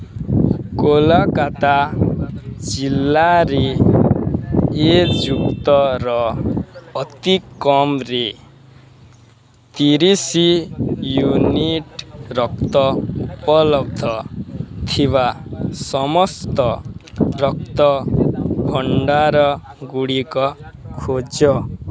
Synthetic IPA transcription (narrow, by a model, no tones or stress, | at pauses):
kolakat̪a | d͡ʒilːaɾi | ed͡ʒukt̪ɔɾɔː | t̪ikːɔmɾe | t̪iɾisijuniʈɾɔkt̪ɔupɔlɔb̚d̪ʱɔt̪ʰiβasɔmɔst̪ɔɾɔk̚t̪ɔ | bʱɔɳɖaɾɔɡuɽikɔkʰod͡ʒɔ